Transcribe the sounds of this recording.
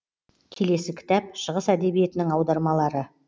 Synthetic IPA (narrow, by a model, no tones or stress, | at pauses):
kʲʰe̞le̞sɪkʲʰɪ̥t̪æp̚ʃəʁəsæd̪e̞bije̞t̪ɪnɪŋɑwd̪ɑɾmɑlˠɑɾə